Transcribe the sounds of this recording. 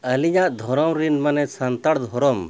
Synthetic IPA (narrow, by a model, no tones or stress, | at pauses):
əliɲaʔd̪ʱɔɾɔmɾinmanɛsant̪aɽd̪ʱɔɾɔm